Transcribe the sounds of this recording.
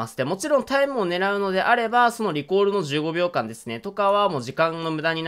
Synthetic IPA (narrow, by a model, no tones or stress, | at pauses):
asɨ̥t̪ːemo̞t͡ɕiɾõ̞nt̪aimɯ̟one̞ɾaɯ̟no̞d̪e̞ʔaɾe̞baso̞no̞ɾʲiko̞ːɾɯ̟no̞ʑɨːɡo̞bʲjo̞ːkãnd̪e̞sɨ̥ne̞t̪o̞kaβamo̞ːʑikãnno̞mɯ̟d̪aɲ̟in